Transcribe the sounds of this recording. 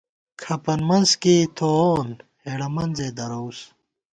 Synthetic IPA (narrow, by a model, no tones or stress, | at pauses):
kʰɐpɐnmɐnskit̪ʰoːnheɽɐmɐnzed̪ɐɾows